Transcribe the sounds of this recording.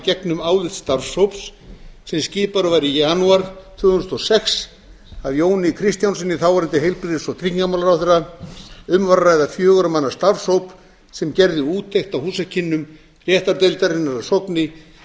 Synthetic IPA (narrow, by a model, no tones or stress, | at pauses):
cɛknʏmaːwlɪt̪st̪aɾshowpssɛmsciːpaɾʏvaɾijanuaɾ̥t̪ʰʏːɣʏnst̪ʰɔsɛks | avjoːwnɪkʰɾist̪jansɛnːɪθawvaɾɪnt̪ɪɦejlpɾiðɪsɔt̪ʰɾikɲkamalaɾawθɛɾːa | ʏmvaɾrajðafjœːɣʏɾamanːḁst̪aɾshowp | sɛmcɛɾðɪuːt̪ʰːejxt̪awhuːsacʰɪnːʏm | r̥jɛːht̪aɾt̪ejlt̪aɾɪnːaɾasɔknɪ